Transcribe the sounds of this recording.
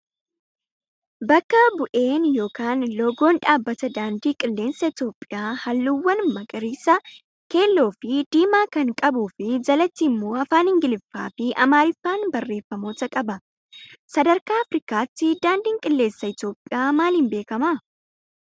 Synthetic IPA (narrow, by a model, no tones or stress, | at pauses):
bɐkːɐbʊʔe̞ːnjo̞ːkaːnlɔɡo̞ːnᶑaːbːɐt̪ɐd̪aːnd̪iːkʼɪlːe̞ːnsɐɪt̪jo̞ːpʼːɪjaːhɐlːuwːɐnmɐkʼɐɾiːsɐ | ke̞ːlːo̞ːfɪd̪̥iːmaːkɐŋkʼɐbuːfɪd͡ʒɐlɐt̪ːiːmːo̞ːɐfaːnhɪŋɡɪlɪfːa̰ːfɪʔɐmaːɾɪfːaːnbɐrːe̞ːfːɐmo̞ːt̪ɐkʼɐbɐ | sɐd̪ɐɾkaːɐfɾɪkaːt̪ːɪd̪aːnd̪iːŋkʼɪlːe̞ːnsːɐɪt̪jo̞ːpʼːɪjaːmaːlhɪmbe̞ːkɐmɐ